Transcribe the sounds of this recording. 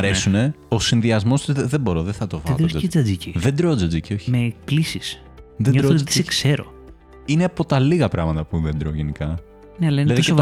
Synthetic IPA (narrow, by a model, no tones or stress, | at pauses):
ɐɾesune̞osinðiɐzmo̞st̪izððebo̞ɾoðeθɐt̪ovɐðoed͡zɐd͡ziciðend̪ɾod͡zɐd͡zicio̞çimeplisis | ðeɾot̪i̥ssekse̞ɾo̰ | ineɐpo̞t̪ɐliɣɐpɾɐɣmɐt̪ɐpuðend̪ɾo̞ʝenikɐ | neɐlɐinlɐðie